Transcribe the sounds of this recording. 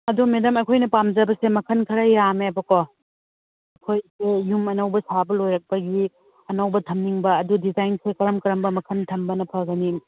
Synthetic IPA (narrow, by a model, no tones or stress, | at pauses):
ɐdumedɐmɐkʰojnɐpamd͡ʒɐbɐsemɐkʰɐnkʰɐɾɐjameɐbɐko | ɐkʰojsejumɐnɐwbɐsabɐlojɾɐk̚pɐɡi | ɐnɐwbɐtʰɐmniŋbɐːdudizajnsekɐɾɐmkɐɾɐmbɐmɐkʰɐntʰɐmbɐnɐpʰɐɡɐni